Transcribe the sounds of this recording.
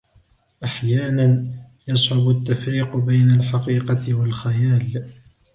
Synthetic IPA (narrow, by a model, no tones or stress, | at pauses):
ʔaħjaːnan | jɑsˤʕʊbʊt̪ːafɾiːqbajnalħɑqiːqɑɪwalxajaːl